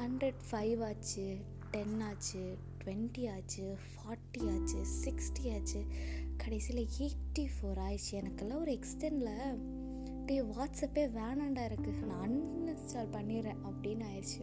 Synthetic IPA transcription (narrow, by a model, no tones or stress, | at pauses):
hɐɳɖɾeɖfɐɪʋaːt͡ʃːɯ | ʈɛnaːt͡ʃːɯ | ʈʋɛɳʈiaːt͡ʃːɯfaːɾʈːiaːt͡ʃːɯsɪksʈiaːt͡ʃːɯkɐɽɐɪsilɐeːʈːifoːɾaːjt͡ʃːɯɛnɐkːɛlːɐɔɾɯɛksʈɛnɖɪlɐ | pːiʋaːʈsɐpːeːʋɛːɳɐɳɖaːɪɾɯkːɯnãɐnnɐst͡ʃaːlpɐɳːiɾẽːʔɐpːɐɽinːɯaːjɾt͡ʃːɯ